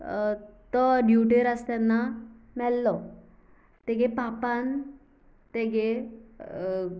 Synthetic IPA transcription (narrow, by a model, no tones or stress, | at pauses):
t̪ɔɖjuʈiɾəst̪anːamɛlːɔ | t̪ɛɡepapan | t̪eɡe